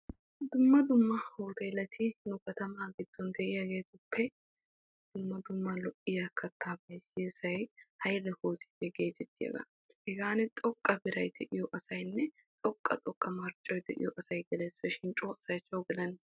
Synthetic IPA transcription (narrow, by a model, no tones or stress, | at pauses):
d̪ʊmːɐd̪ʊmːɐhoːt̪ɐjlɐt̪ʰɪnʊkɐt̪ɐmaːɡɪd̪̥ːɔnd̪ɛʔɪjɐɡe̞ːt̪ʊpʰːɛ | d̪̥ʊmːɐd̪ʊmːɐlɔʔɪjɐkʰɐt̪ʰːaːbɐjsisɐjhɐjlːɛhoːt̪ɪ̥d̪ɛɡeːd͡ʒɛt̪ːɪjɐ̰ɡɐ̰ | hɛɡaːnɛt̪ʼɔkʼːɐbɪɾɐjd̪ɛʔɪjɔʔɐsɐjnːɛ | t̪ʼɔkʼːɐ̰t̪ʼɔkʼːɐmɐɾt͡ʃʼːɔjd̪ɛʔɪ̰jɔʔɐsɐjɡ̪ɛleːsfɛʃɪnt͡ʃʼoːɐsɐjt͡ʃːoːɡɪlɐn